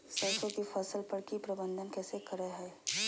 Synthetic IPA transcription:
səːʃõkifʰəsəlpəɾkipɾɐbə̃nd̪ʱənkɛːsekəɾeɦɛː

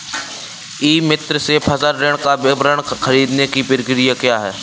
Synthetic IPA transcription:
iːmɪt̪ɾəsepʰəzəɾɾeɽ̃kabɪbɾəɽ̃xɐɾiːd̪nekipɪɾɪkɾijakjaːɦɛː

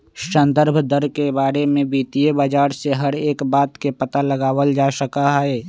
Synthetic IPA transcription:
ʃə̃nd̪əɾbʱd̪əɾkebaːɾemẽbiːt̪ijebaːd͡ʒaːɾseɦəɾeːkbaːt̪kepət̪aləɡaːwəld͡ʒaːʃəkaɦɛɛː

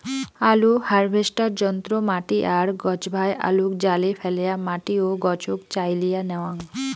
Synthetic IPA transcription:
aluhaɾbʱesʈaɾd͡ʒɔnt̪ɾomaʈiʔaɾɡɔt͡ʃbʱajʔa̰lukd͡ʒalepʰɛlejamaʈioɡɔt͡ʃukt͡ɕajlijanɛwãŋ

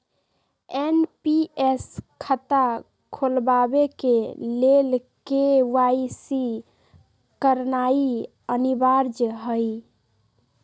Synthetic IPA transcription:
enpieskʰət̪a | kʰolbabekelelkeʋaisi | kəɾnai | ənibaɾd͡ʒɦəj

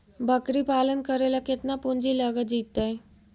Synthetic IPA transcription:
bʱəkɾiːpalənkəɾalaket̪napuɲd͡ʑiːləɡəd͡ʑit̪ːaj

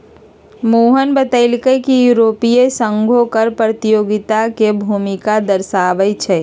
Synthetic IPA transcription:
moːɦənbət̪əɪlkəjkijuɾoːpiesə̃ŋɡʱokəɾpɾət̪ijoːɡɪt̪akebʱuːmɪkad̪əɾsaːʋəjt͡ʃʰɛ

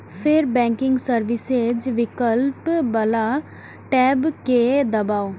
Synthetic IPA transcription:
pʰeɾbɛ̃ːŋkɪ̃ŋɡsəɾʋɪsed͡ʒʋɪkəlpbəla | ʈɛːbked̪ɐbaːo

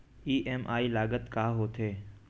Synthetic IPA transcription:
iːʔemʔaːilaːɡət̪kaːɦoːt̪ʰeː

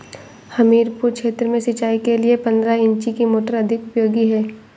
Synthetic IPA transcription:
hɐmiːɾpuɾkʃeːt̪ɾəmẽʃɪt͡ʃaːikeliepɐ̃nd̪ɾaɪ̃ɲt͡ʃikimoːʈəɾɐd̪ʱɪkʊpjoːɡiɦɛː

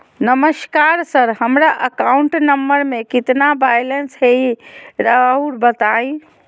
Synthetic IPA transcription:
nəməskaɾsəɾhəmɾaʔəkauɳʈnəmːəɾmekit̪nabajlensɦejɾauɾbət̪aj

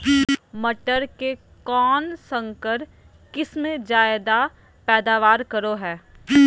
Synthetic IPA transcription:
mɐʈəɾke | kɔːnsə̃ŋkəɾ | kɪsmẽd͡ʒaːɪd̪a | pɛːd̪aːʋaːɾkɐɾoɦɛː

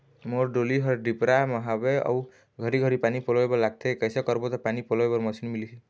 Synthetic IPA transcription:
moɾɖoliɦʌɾɖipɾamʌɦabeʌ̰w | ɡʱʌɾiɡʱʌɾipanipolɔebɔlaɡ̚t̪ʰekʌjsʌkʌɾbot̪ɔpanipolɔebʌɾmʌsʰinmili

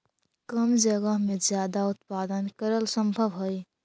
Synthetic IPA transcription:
kəmd͡ʒəɡəɦmed͡ʒjaːd̪aʊt̪̚paːd̪ənkəɾəlsə̃mbʱəʋɦoj

